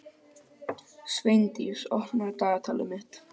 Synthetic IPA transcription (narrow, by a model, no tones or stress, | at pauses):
svejnt̪ḭsɔhnaɾt̪aːɣat̪ʰaːlʏmɪht̪